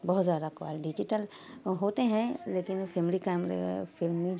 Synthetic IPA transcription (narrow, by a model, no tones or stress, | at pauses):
bɔɦut̪zjaːd̪akwa̰lɖid͡ʒiʈəl | ɦot̪eɦɛ̃lekinpʰemlikajmɾɛ̰pʰilmi